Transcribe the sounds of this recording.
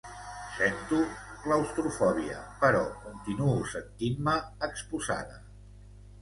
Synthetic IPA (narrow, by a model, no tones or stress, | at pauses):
sent̪uləwst̪ɾufɔβ̞iə̰pəɾɔkunt̪inuusənt̪inməəkspuza̰ðə